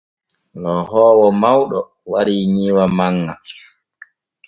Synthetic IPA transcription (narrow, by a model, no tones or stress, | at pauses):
lɔhɔːwɔmawɗɔ | waɾiːɲiwamaŋːa̰